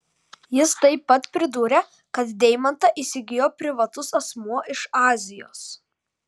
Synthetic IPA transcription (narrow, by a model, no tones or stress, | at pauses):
jɪst̪ɐɪpːɐt̪pʲɾʲɪd̪uːɾʲe | kɐt̪d̪ʲɛɪmɐnt̪ɐʔiːsʲɪɡʲɪjoːpʲɾʲɪʋɐt̪ʊsɐsmuɔʔɪʃɑːzʲɪjo̰ːs